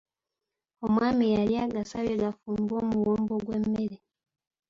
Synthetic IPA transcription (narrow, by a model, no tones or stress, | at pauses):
omwaːmijaljaːɡasaβjeɡafuːmbo̞ːmuwoːmbo̞ɡwemːe̞ɾe